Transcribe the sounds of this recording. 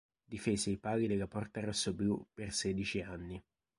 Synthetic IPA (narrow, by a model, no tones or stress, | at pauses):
d̪ifeːzeipaːɡid̪elːapɔrt̪arosːobjupersɛːd̪it͡ʃianːi